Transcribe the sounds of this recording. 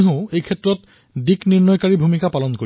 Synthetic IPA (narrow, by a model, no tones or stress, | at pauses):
ɦõʊ̃ejkʰɛtɹɔt | dikniɹnɔjkaɹibʱumikapalɔnkoi